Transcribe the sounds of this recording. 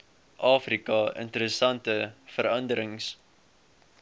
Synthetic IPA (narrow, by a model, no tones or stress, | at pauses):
ʔɑːfrikɐə̰ntəɾəsɐntəfəɾɐndəɾəŋs